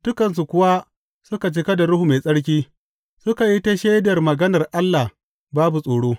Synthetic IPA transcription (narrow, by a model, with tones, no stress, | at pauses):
d̥ʊ˦kɐ˨ns̬u˨kʷʊ˦wa˦ | sʊ˦ka˨t͡ʃɪ˦ka˦da˨ɽʊ˦hu˨meː˨sʼɐ˦ɽk̬ʲiː˦ | sʊ˦ka˨ji˦ta˦ʃeː˦dɐ˨rmɐ˨ɡɐ˦nɐ˨rʔa˦lːa˨h | baː˦bu˨sʼoː˨ɽoː˦